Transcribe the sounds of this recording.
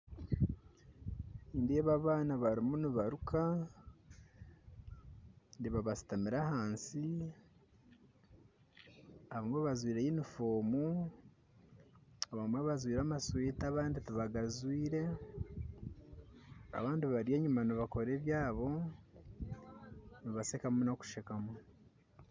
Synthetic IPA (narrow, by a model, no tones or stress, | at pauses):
indieβaβaːnaβaɾimuniβaɾukʰa | ndiβaβasi̥tamiɾahaːnsi | aβaŋɡoβazwiːɾejinifoːmu | aβamaβazwiːɾamaswitiaβaːndituβaɡazwiːɾe̞ | a̰βaːndiβaɾije̞ːɲumaniβako̞ɾe̞ːβjaːβo̞ | niβasekamunoku̥ʃekamu